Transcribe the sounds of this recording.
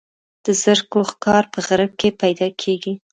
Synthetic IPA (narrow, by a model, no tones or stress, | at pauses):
d̪̥əzəɾkoxkɑɾpəɣaɾəb̚kepajd̪ɑkʰeɡi